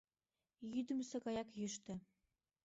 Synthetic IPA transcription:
jyd̪ɘ̆msɤ̆ɣɑjɑkjyʃt̪ɘ̆

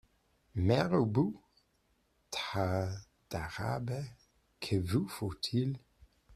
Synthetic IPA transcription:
mɛʁowbu | tʰa | d̥aʁa̰bə | kʰəvufotʰil

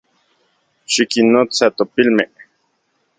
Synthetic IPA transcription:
ʃikinːot͡sat̪opilme

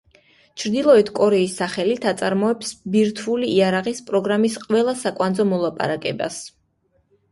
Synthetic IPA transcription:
t͡ʃʰɾd̪ilˠɔɛt̪ʰkʼɔɾɛisːaχɛlit̪ʰat̪sʼaɾmɔɛpsbiɾt̪ʰuliːaɾaʁispʼɾɔɡɾamisqʼwɛlˠasakʼwand̪zɔmɔlˠapʼa̰ɾakʼɛ̰ba̰s

